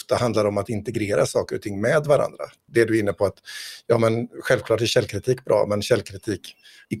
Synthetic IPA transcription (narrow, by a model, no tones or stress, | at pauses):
ft̪ahand̪laɾɔmat̪ɪnt̪ɛɡɾeːɾasɑːkəɾʊ̰t̪ʰɪŋːmɛːd̪vaɾa̰nd̪ɾa̰ | d̪ɛæɖɵɪn̪ːəpʰɔat̪jɑːmɛnɧɛlvkʰlɑːʈæɕɛlːkʰɾɪt̪ʰiːkbɾʔɑ̰ːmɛnɕɛlːkʰɾɪt̪ʰiːk